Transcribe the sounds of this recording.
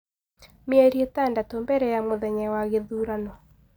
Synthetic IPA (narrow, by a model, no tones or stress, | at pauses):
meɛɾietandatɔmbɛɾɛjamoðɛɲɛwaɣeðuɾanɔ